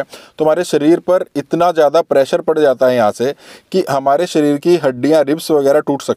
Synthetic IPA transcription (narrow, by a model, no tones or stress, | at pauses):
t̪oɦɐmaːɾeʃɐɾiːɾpɐɾɪt̪nazjaːd̪apɾɛːʃəɾpɐɽd͡ʒaːt̪aɦɛjɐɦãsekiɦɐmaːɾeʃɐɾiːɾkiɦɐɖːijãɾɪbsʋɐɣɛːɾaʈuːʈʰsɐk̚